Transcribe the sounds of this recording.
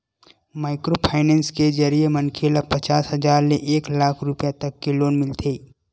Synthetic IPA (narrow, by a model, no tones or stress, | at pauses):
maːɪkɾopʰaːɪnɛ̃ːnskezɐɾiemɐnkʰeːlapɐt͡ʃaːsɦɐzaːɾleʔeːklaːkʰɾʊpijat̪ɐkːeloːnmɪlt̪ʰeː